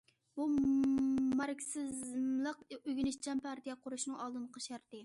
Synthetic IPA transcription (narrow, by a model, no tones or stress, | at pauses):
bu | mɑɾkʲsɪzzmlˠəqøɡʲynɪʃd͡ʒʰɛmpʰɑɾt̪ijɛqʰʊɾuʃnɨŋɑlˠd̪ɨnqʰɑʃæɾt̪ɨ